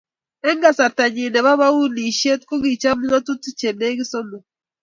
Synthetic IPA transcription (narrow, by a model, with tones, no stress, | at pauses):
ɛ˦ŋɡa˨sa˨ta˨ɲi˨nɛ˨βa˦βa˦u˦ni˨ʃe˦t̚ko˦ɡi˨t͡ʃa˦mu˦ŋa˦tu˦ti˦t͡ʃe˨ne˦ɡi˦so˦mo˨